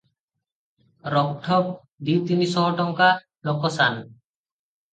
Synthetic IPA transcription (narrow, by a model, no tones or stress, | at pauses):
ɾɔkʈʰɔp̚ | d̪iwt̪inisɔŋɔʈɔŋka | lɔkɔsan